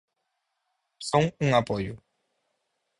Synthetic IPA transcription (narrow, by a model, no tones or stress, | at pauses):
soŋuŋapoju